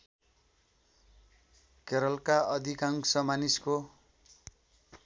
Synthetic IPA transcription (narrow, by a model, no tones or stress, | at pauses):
keɾʌlkaʌd̪ʱikaŋsʌmanisko